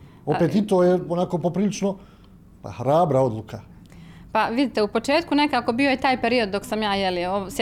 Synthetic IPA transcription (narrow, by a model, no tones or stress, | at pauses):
opet̪it̪oːjeonakoːpopɾiːlit͡ʃno | pa̰hɾaːbɾao̞d̪lˠukʰa | paʋid̪it̪e̞upo̞t͡ʃe̞ːt̪kune̞kaːko̞bio̞jet̪aːjpeɾio̞d̪̚ːoksamjaːjelios